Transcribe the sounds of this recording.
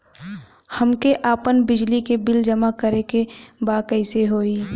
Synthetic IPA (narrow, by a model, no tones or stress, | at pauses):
hɐmkeʔaːpənbɪd͡ʒlikebɪld͡ʒəmakəɾekebaːkɛɪseɦoːiː